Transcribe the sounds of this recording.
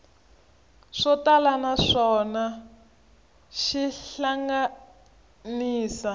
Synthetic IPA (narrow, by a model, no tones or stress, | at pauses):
ʂɔtalanaʂɔna | ʃiɬaŋɡa | niːsa